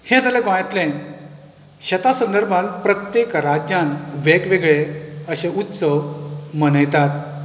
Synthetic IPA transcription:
hẽt̪aleɡõjat̪lẽn | ɕət̪asə̃nd̪əɾbʱãnpɾət̪jekɾad͡ʑjãnʋekʋeɡɭeəɕẽut̪səʋmənəjt̪at̪̚

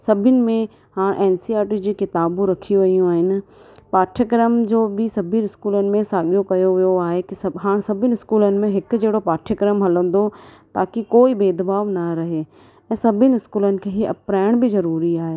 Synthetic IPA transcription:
sɐbʱɪnɪ̆mẽ | haːɽ̃ʔɛːnsiaːɾʈid͡ʑiːkɪt̪aːbũɾɐkʰiʋɐijũaːɦɪnɪ̆paːʈʰjəkɾəmd͡ʑoːbɪsɐbʱɪnɪskuːlənɪ̆mẽsaːɠijokɐjoʋijoaːɦekɪsɦaːɽ̃sɐbʱɪnɪɪskuːlənɪ̆mẽɦɪkd͡ʑeːɽopaːʈʰjəkɾəmɦɐlə̃n̆d̪ot̪aːkikoːibeːd̪ɐbaːʋnɐɾɐɦe | ɛ̃ːsɐbʱɪnɪɪskuːlənɪ̆kʰeːɦiɐpɾaːɪɽ̃bɪzɐɾuːɾiaːɦeː

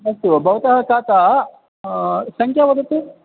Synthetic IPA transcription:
nɐst̪ubʱɐʋɐt̪ɐɦɐkaːt̪a | sɐŋkʰjaʋɐd̪ɐt̪ːi

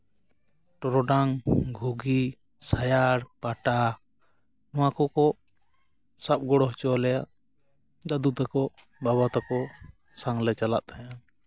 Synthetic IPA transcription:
ʈɔɾɔɖaŋɡʱuɡi | sajaɾpaʈa | nɔwakɔkɔʔ | sap̚ɡɔɽɔɦt͡ʃɔlɛjaʔ | d̪ad̪ut̪akɔʔ | baβat̪akɔ | saŋlɛt͡ʃala̰ʔ̪aja

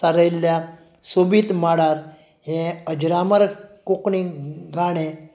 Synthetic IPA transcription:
aɾəjlːja | sobiːt̪maɽaɾ | hẽəd͡ʑɾaməɾkokɳiɡʱaɽ̃ẽ

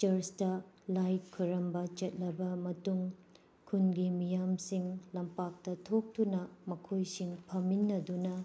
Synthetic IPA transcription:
t͡ʃɐɾstɐ | lajt̚kʰuɾɐmbɐt͡ʃɐt̚lɐbɐmɐtuŋ | kʰunɡimijamsiŋlɐmpak̚tɐtʰok̚tunɐmɐkʰojsiŋpʰɐminːɐdunɐ

